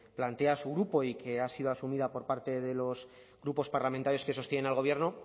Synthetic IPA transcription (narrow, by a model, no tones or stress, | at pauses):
plant̪e̞asuɣ̞ɾupo̞ikʰe̞asið̞o̞asumiðapo̞ɾpaɾt̪e̞ðe̞lo̞z | ɣɾupo̞spaɾlamẽnt̪aɾjo̞ske̞so̞st̪je̞nenalɣ̞o̞β̞jeɾno̞